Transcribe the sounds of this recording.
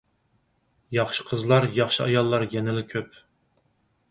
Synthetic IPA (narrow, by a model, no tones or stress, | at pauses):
jɑχʃɨ̥qʰəzlˠɑɾjɑχʃɨɑjɑlˠːɑɾjɛnɪlɪkʲʰøp